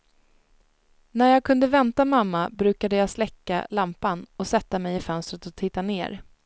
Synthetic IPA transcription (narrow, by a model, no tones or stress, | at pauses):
næɾjɑːɡ̚kʰɵnd̪əvɛnt̪amamːabɾʉ̟ːkad̪əjɑːslɛkːa̰lampanɔsɛt̪ːamɛjɪfœnst̪ɾət̪ɔt̪ʰɪt̪ːaneːɾ